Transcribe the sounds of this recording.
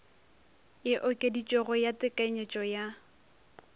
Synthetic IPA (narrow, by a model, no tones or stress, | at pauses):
ɪʔʊkʼedit͡ʃʼɔɣɔjatʼɪkʼaiɲet͡ʃʼɔja